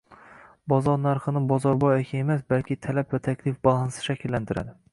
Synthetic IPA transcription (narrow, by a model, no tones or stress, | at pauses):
bɒzɒɾnæɾχɨnɪbɒzɒɾbɒjekʲʰaemæsbælkʲʰɪt̪ʰælæpvɛt̪ʰækʲʰlɪfbɑlˠɑnsɪ̥ʃækʲʰilːænt̪ʰɪɾa̰d̪ɪ